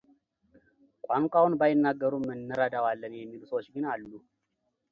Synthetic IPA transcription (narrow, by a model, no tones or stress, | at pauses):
kʷʼaŋkʷʼawʊnbajɪnːaɡːəɾumənːəɾad̪awalːənjɛmːilɨsot͡ʃːɡɨnalːu